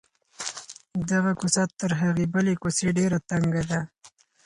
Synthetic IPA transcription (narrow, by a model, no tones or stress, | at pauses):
d̪aɣakʊsat̪ːəɾɦaɣebəlekoseɖeɾat̪aŋɡad̪a